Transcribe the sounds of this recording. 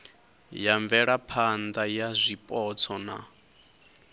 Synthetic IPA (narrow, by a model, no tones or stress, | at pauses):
jaɱb̪vɛɺapʰand̪ajazʷipʼɔt͡sʰɔna̰